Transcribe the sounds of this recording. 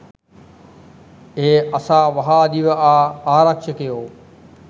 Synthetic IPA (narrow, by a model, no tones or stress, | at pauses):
eːɐsãʋɐɦaɗiʋaːaːɾəkʃəkɐjoː